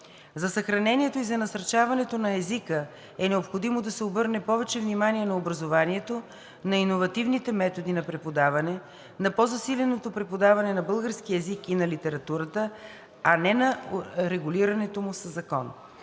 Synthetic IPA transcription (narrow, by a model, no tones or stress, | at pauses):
zɐsɐxɾɐnɛniɛt̪oizɐnɐsɐɾt͡ʃavɐnɛt̪onɐɛzikə | ɛnɛopxod̪imod̪ɐsɛobɤɾnɛpɔvɛt͡ʃɛvnimaniɛnɐobɾɐzovaniɛt̪o | nɐinovɐt̪ivnit̪ɛmɛt̪od̪inɐpɾɛpod̪avɐnɛ | nɐpɔzɐsilʲɛnot̪opɾɛpod̪avɐnɛnɐbɤlˠɡəɾsk̟iɛzikinɐlit̪ɛɾɐt̪uɾət̪ə | ɐnɛnɐɾɛɡuliɾɐnɛt̪omʊsəzːɐkɔn